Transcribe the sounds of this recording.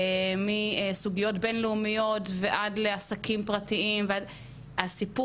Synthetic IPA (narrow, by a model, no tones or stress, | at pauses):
miesuɡijo̞tbe̞nleumijo̞tveʔadleasakimpʁatiimvead | asipu